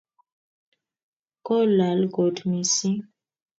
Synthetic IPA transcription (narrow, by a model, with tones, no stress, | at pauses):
kɔ˦la˨lɡo˨dmi˨si˦